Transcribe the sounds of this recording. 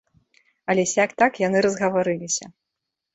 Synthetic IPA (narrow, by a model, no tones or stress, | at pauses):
ɐlʲɛsʲakt̪akjanɨɾɐzɣɐvaɾɨlʲisʲɐ